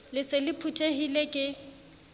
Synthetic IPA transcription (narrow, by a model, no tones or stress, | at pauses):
lɪsɪlɪpʰutʰʼeɦilekʼɪ